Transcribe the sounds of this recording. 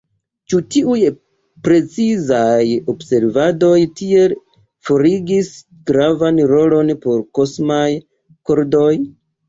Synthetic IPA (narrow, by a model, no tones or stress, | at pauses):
t͡ʃutiuj | pɾe̞t͡sizajo̞bse̞ɾvado̞jtʰie̞l | fo̞ɾiɡis | ɡ̥ɾavanɾo̞lo̞npo̞ɾko̞smaj | koɾdo̞j